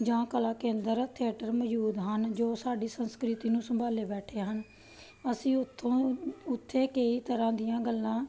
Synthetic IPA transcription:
d͡ʒãːkəlaːkẽːnd̪əɾt̪ʰɪəːʈəɾməjuːd̪ɦənd͡ʒoːsaːɖiːsənskɾɪt̪iːnũːsəmbʱaːleːbɛːʈʰeːɦən | əsĩː | ʊt̪ʰːeːkeiːt̪əɾãːd̪ɪjãːɡəlːãː

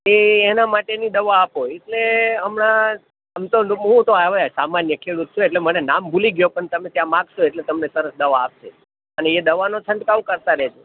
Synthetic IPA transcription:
eːnamaʈenid̪əʋaːpɦojeʈleəmna | əmt̪oɦũt̪oaʋaasamanjəkʰeɽut̪̚t͡ʃʰoeʈlemənenambʱuliɡjopəɳt̪əmẽt̪jãmãɡʃoeʈlet̪əmnesəɾəsd̪əʋaːp̚ʃʰe | əneːd̪əʋanot͡ʃʰəɳɖkaʋũkəɾt̪aɾəɦed͡ʒʰo

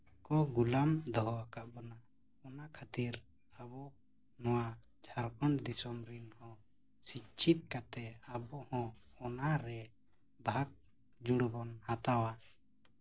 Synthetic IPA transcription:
kɔɡulamd̪ɔɦɔakaʔbana | ɔnakʰat̪iɾ | abɔ | nɔwad͡ʒʱaɾkɔɳd̪isɔmɾinhɔ̃ | sit͡ʃʰit̪̚kat̪ɛabɔhɔ̃ | ɔnaɾɛ | bʱak̚ | d͡ʒuɽbɔnhat̪awa

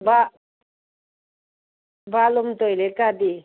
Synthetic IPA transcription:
ba | balɔmt̪ɔjlekadi

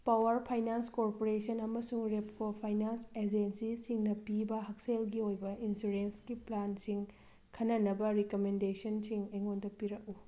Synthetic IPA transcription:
pawɐɾpʰajnanskoɾpoɾesɐnɐmɐsuŋɾepkopʰajnansed͡ʒensisiŋnɐpibɐɦɐk̚selɡiojbɐinsuɾenskiplansiŋ | kʰɐnːɐnɐbɐɾikomendesɐnsiŋɐjŋondɐpiɾɐk̚u

